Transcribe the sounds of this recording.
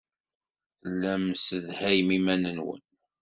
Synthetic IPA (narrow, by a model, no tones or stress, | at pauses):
θlːæmsəðhæjmimænənwə̰n